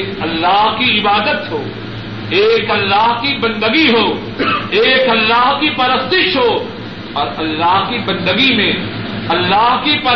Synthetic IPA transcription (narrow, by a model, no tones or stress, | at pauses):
kɐlːaːɦkiɪbaːd̪ət̪ɦoː | eːkɐlːaːɦkibɐ̃nd̪əɡiɦoː | eːkɐlːaːɦkipɐɾəst̪ɪʃɦoː | ɔːɾɐlːaːɦkibɐ̃nd̪əɡimẽ | ɐlːaːɦkipɐ